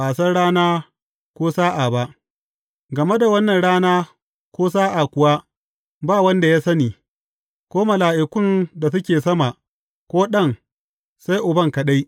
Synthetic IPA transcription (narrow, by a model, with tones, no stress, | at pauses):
aː˨sɐ˦nɽaː˦naː˦ | kʷoː˦saː˦ʔaː˨ba˦ʔ | ɡɐ˨me˦da˨wɐ˦nːɐ˨nɽaː˦naː˦ | kʷoː˦s̬aː˦ʔa˨kʷʊ˨wa˦ | baː˦wɐ˦nda˨ja˦sɐ˦niː˨ | kʷoː˦mɐ˨laː˨ʔɪ˨kʷʊ˦nda˨s̬ʊ˦kʲeː˨sɐ˦ma˨ | kʷoː˦ɗɐ˦˨ŋ | sa˦jʔʊ˨bɐ˦ŋkɐ˨ɗa˦j